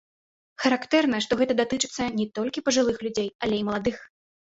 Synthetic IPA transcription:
xɐɾakt̪ɛrnɐʂt̪ɔɣɛt̪ɐd̪at̪ɨt͡ʂɨ̥t̪sːɐnʲɛt̪ɔlʲkʲipɐʐɨlˠɨxlʲud͡zʲejalʲejmɐlˠad̪ɨx

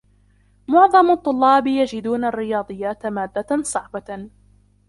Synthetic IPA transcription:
mʊʕðˤɑmɑt̪ˤːʊlːɑːbɪjad͡ʒɪd̪uːnarːɪjɑːd̪ˤɨjːaːt̪maːd̪ːasˤɑʕba

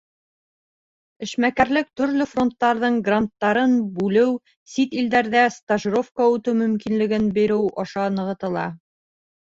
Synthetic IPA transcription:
ɘ̆ʃmækæɾlɘk̚t̪ɵ̆ɾlɵfro̞nt̪ːɑɾðɤɴɡrant̪ːɑɾɤnbʉlɘw | sit̪ild̪æɾðæst̪aʒro̞fkəʉt̪ɘwmɵ̆mkinlɘ̆ɡɘnbiɾɘwɒʃɑnɤ̆ʁɤ̆t̪ɤ̆lˠɑ̰

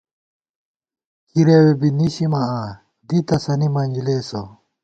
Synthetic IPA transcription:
kʰiɾewebiniɕimɐaː | d̪it̪ɐsɐnimɐɲd͡ʑileːso

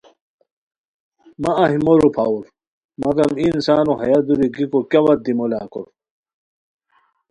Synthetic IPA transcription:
maɐɦimoɾupʰauɾ | mɐɡɐminsaːnoɦɐjad̪uɾiɡikokawɐt̪̚d̪imola̰ːko̰ɾ

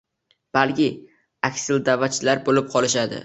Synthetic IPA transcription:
b̥alkʲɪ | akʲsɪld̪avːat͡ʃʰɪlaɾbolɪp̚qʰɒlˠɪʃad̪ɪ̰

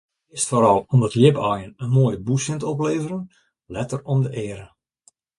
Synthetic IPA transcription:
ɪstfoɾɑlˠɔmdɑtljɪpɔjənənmoːjəbusɪntəɔp̬leːvəɾən | lɛtərɔmdəʔɪːəɾə

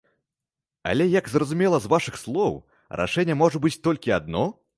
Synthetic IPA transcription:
a̰lʲɛjɐɡzrɐzumʲɛlˠɐzvaʂɨxslˠɔw | rʔa̰ʂɛnʲːɛmɔʐɐbɨt͡sʲt̪ɔlʲkʲiad̪nɔ

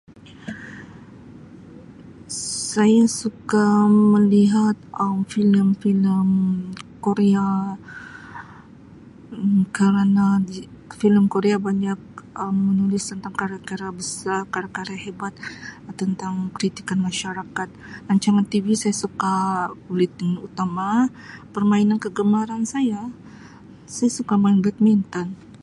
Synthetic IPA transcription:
sajasukaməliɦat̪əmfiləmfiləmkoɾea | kəɾənai | filəmkoɾeabaɲak̚əmːənulɪst̪ənt̪aŋkaɾakaɾabəsarkaɾakaɾahebat̪̚t̪ːənt̪aŋkəɾit̪i̥kanmaʃaɾakat̪̚naɲt͡ʃaŋant̪ivisajasukakulit̪ŋut̪ama | pərmainankəɡəmaɾansaja | sajasukamaɪnbɛt̪̚mint̪ɔn

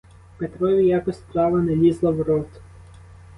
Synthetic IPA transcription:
pet̪ɾɔjʊjɑkɔsʲt̪ɾɑʋɐnelʲizlˠɐwɾɔt̪

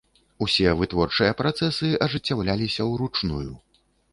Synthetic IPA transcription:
usʲɛvɨt̪vɔrt͡ʂɨjɐpɾat̪sɛsɨʔɐʐɨt͡sʲːawlʲalʲisʲɐwɾut͡ʂnṵjṵ

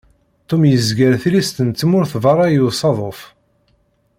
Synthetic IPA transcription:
t̪ːumjəzɡəɾθlist̪ənt͡s̪ːmʊɾθvɑɾˤɑjusˤɑðˤof

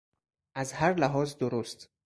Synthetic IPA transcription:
ʔæzhaɾlæɦɒːzd̪oɾust̪

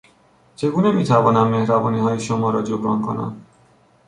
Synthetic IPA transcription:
t͡ʃʰe̞ɡuːnemiːt̪ʰævɒːnæmːehɾæbɒːniːɦɒːjeʃomɒːɾɒːd͡ʒobɾɒːnkʰonæ̰m

